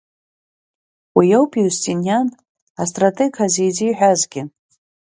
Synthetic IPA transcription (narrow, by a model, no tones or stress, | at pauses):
wijowpʰʼiustʼinjan | astʼratʰʼeɡʰazejd͡ziːħʷᶣazɡʲɪ